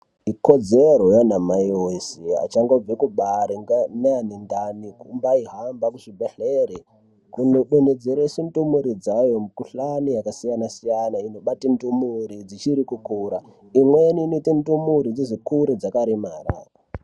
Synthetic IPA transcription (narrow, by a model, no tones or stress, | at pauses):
iko̞d͡zeɾojanamajosia̰t͡ʃaŋɡob͡vekuɓaɾiŋɡaneanindanikumbaiɦambakuʐibʱeɬeɾe | kunoɗened͡zeɾesentumuɾid͡zajo̞mukuɬanijakasijanasijanaino̞ɓatintumuɾid͡zit͡ʃiɾikukuːɾa | imweninitintumuɾid͡zeʐikuɾid͡zakaɾimaːɾa̰